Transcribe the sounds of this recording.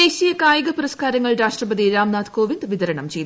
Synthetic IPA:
e̞ːɕijɐkaːjɐɣɐpuɾɐskaːɾɐŋːɐɭɾaːʂʈrɐpɐd̪iɾaːmnaːt̪ko̞ːʋind̪ʋid̪ɐɾɐɳɐmt͡ɕe̞jt̪

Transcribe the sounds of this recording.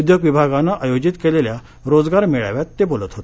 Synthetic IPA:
ud̪joɡʋibʱaɡanːaʔajod͡ʑit̪kelelja | ɾod͡zɡaɾmeɭa̰ʋjat̪ːebolət̪ɦot̪e̥

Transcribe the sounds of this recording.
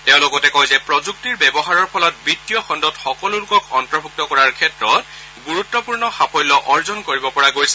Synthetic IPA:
tɛʊ̃lɔɡɔtɛkɔjzɛpɹɔzuk̚tiɹbɛbɔɦaɹɔɹpʰɔlɔt̚bɹitːijɔxɔndɔtxɔkɔlolʊkɔkɔntɹɔbʱuk̚tɔkɔɹaɹkʰɛtɹɔt̚ | ɡuɹutːɔpuɹnɔxapʰɔjlɔʔɔɹzɔnkoɹibɔpɔɹaɡojsɛ̥

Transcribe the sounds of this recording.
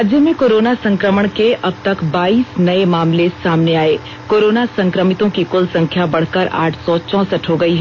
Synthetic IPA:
aːd͡ʒjəmẽkoːɾoːnasɐ̃ŋkɾəməɽ̃keʔɐb̚t̪ɐkbaːiːsnɐemaːmlesaːmneaːeː | koːɾoːnasɐ̃ŋkɾəmɪt̪õkikʊlsɐ̃ŋkʰjabɐɽ̤kəɾa̰ːʈʰsɔt͡ʃɔ̃ːsəʈɦoɡɐiɦɛ

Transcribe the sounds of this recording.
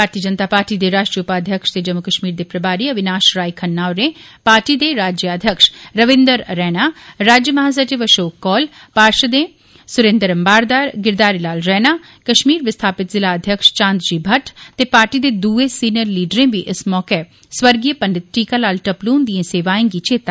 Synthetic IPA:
bʱaːɾt̪iəd͡ʒənt̪aːpaːɾʈiːd̪eːɾaːʃʈɾijʊpaːd̪ʱjəkʃt̪eːd͡ʒəmʊkəʃmiːɾd̪eːpɾəbaːɾiːəbɪnaːʃɾaːikʰənːaːoɾẽːpaːɾʈiːd̪eːɾaːd͡ʒjəaːd̪ʱjəkʃɾəʋɪ̃nd̪əɾɾɛːnaːɾaːd͡ʒjəməɦaːs̬ət͡ʃeʋəʃoːkːɔːl | paːɾʃəd̪ẽː | sʊɾẽːnd̪əɾəmbaːɾd̪aːɾɡɪɾd̪aːɾilaːlɾɛːnaː | kəʃmiːɾʋɪst̪ʰaːpɪt̪zɪlaːəd̪ʱjəkʃt͡ʃãːnd̪d͡ʒiːbʱəʈʰt̪eːpaːɾʈiːd̪eːd̪uːeːsiːnijəɾliːɖəɾẽːʋiːʔɪsmɔːke | sʋəɾɡiəpənɖɪt̪̚ʈiːkaːlaːlʈəpluːnd̪ijẽːseːʋaːẽːŋɡiːt͡ʃʰeːt̪aː

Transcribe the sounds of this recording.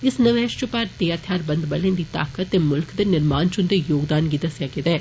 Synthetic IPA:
ɪsnɐʋɛːʃt͡ʃopaɾt̪eːaːt̪ʰjaːɾbɐ̃nd̪bɐlẽnd̪iːt̪a̰ːkət̪ːeːmʊlkd̪enɪɾmaːnt͡ʃʊnd̪ejoːɡd̪aːnɡid̪ɐsjaːɡɪd̪ɛː

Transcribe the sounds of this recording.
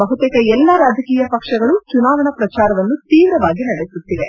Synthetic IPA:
ɐɦut̪ɛkɐɛlːɐɾaːd͡ʒɐkiːjɐpɐkʂɐɡɐɭut͡ʃunaːʋɐɳɐpɾɐt͡ʃaːɾɐʋɐnːut̪iːʋɾɐʋaːɡinɐɽesut̪ːiʋe

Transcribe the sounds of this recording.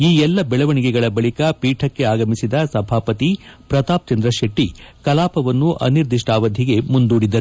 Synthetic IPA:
iːɛlːɐbɛɭɐʋɐɳiɡɛɡɐɭɐbɐɭikɐpiːʈʰɐkːe̞aːɡɐmisid̪ɐsɐbʱaːpɐt̪ipɾɐt̪aːp̚t͡ʃɐnd̪ɾɐʃeʈːikɐlaːpɐʋɐnːuʔɐ̰niɾd̪iʂʈaːʋɐd̪ʱiɡe̞mund̪uːɽid̪ɐɾ

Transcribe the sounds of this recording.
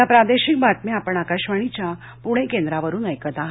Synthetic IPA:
apɾad̪eɕik̚bʱat̪̚meapəɳakaɕʋaɽ̃it͡ɕja | puɽ̃ekend̪ɾaʋəɾuːnəjkət̪aɦ

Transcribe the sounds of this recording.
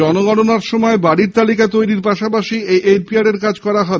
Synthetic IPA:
ɔnoɡɔnonaɾʃɔmɔebaɽiɾt̪alikat̪ojɾiɾpaʃapaʃiejʔelpiaɽeɾkad͡ʑkɔɾaɦɔ

